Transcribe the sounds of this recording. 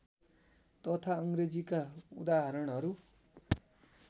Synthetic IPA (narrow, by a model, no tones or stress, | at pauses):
t̪ʌt̪ʰaʌŋred͡zikaṵd̪aɦʌɾʌɽ̃ɦʌɾu